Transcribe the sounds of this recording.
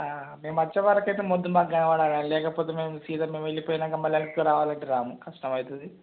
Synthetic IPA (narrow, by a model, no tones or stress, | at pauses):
aːme̞ːmɐt͡ɕːɐʋaːɾɐkːɐjt̪eːmod̪ːumaːɡɐɳɐʋaːɽaːɽaːnlɛːkɐpoːt̪eːmeːmusiːd̪ɐmːeːmʋelːipoːjinaːɡɐmbɐljaːnikːuɾaːʋaːlɐɳʈeɾaːmukɐʂɐnɐmɐjit̪ɐd̪i